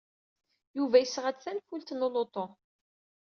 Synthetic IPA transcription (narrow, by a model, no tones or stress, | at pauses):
juvæjəsːʁæt͡sænfult̪nolot̪ˤo